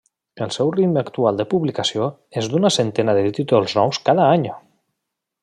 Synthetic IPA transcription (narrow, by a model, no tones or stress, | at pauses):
əlˠsɛwrit̪makt̪ualˠd̪əpuβlikasio | ezd̪unasent̪ɛnaðət̪it̪olˠznɔwskaðaaɲo